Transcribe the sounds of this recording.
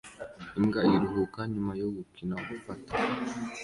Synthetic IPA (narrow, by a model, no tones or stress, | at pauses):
imɡajiɾuɦukaɲumajoɡukinaɡufatḁ